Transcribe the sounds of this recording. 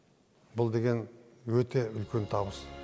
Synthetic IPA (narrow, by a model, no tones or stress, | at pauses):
bʊlˠd̪e̞ɡʲe̞n | wɵt̪e̞ʏlkʲe̞nt̪ʰɑbəs